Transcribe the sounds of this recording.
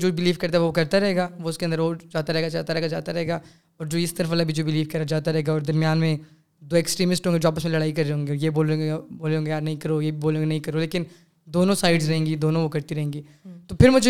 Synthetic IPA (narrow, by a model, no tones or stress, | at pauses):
d͡ʒoːbɪliːfkɐɾt̪aɦʋokɐɾt̪aɾɐɦeːɡaːʋoʊskeɐ̃nd̪əɾʋoːd͡ʒaːt̪aɾɛɦeɡad͡ʒaːt̪aɾɛɦːɡad͡ʒa̰ːt̪aɾɐɦeːɡaː | ɔːɾd͡ʒoːɪst̪ɐɾəfəlabʱid͡ʒoːbɪliːfkɐɾad͡ʒaːt̪aɾɐɦeːɡaɔːɾd̪ɐɾmjaːnmẽ | d̪oːeksʈɾiːmɪsʈɦõːɡed͡ʒoːaːpəsmẽlɐɽaːikɐɾeɦõːŋɡeɔːɾjeboːleeboːleɦõːɡejaːɾnɐɦĩkɐɾojebʱiboːleõːɡenɐɦĩkɐɾoleːkɪn | d̪oːnõsaːɪɖzɾɐɦẽːŋɡid̪oːnõʋokɐɾt̪iɾɐɦẽːŋɡiː | t̪oːpʰɪɾmʊd͡ʒʱ